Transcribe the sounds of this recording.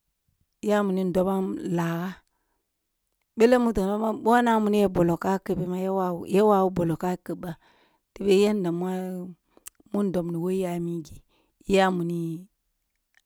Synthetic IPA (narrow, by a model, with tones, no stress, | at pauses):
ja˦mu˨ni˦n˦do˦ba˦la˨ɣa˦ | ɓe˦le˦mu˦to˨ma˦ma˦ɓo˦na˦mu˨ni˦je˦bo˨lo˨ka˦kə˨be˨ma˦jwa˦˨je˦wa˨wu˦bo˨lo˨ka˦kə˨bːa˨ | ti˦be˦je˦nda˨m˦a˦ | mu˦n˦do˨mni˨wo˦i˦ja˨mi˦ɡi˨˦ | ja˦mu˨ni˦